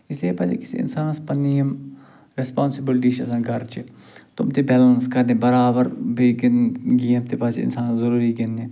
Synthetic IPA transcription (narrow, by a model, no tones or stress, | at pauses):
ɪseːpasḛkɪsḭɪ̰nsaːnspənːijəm | ɾɪspaːnsɪbɪlʈiːʃəsãːɡʱəɾt͡ʃɪ | t̪ʊmt̪eːbɛːlənskəɾneːbəɾaːbəɾbeɡnɡiːəmt̪eːpasɪ̰nsaːnzəɾuːɾiɡenːeː